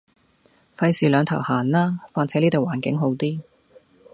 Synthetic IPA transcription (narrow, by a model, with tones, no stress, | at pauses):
fɐ˧jsiː˨˩lœː˨˧ŋt̪ʰɐ˨˩whaː˨˩nlaː˥faː˧nt͡sʰɛː˨˥niː˥t̪o˨waː˨˩nkɪ˨˥ŋɦo˨˥wt̪iː˥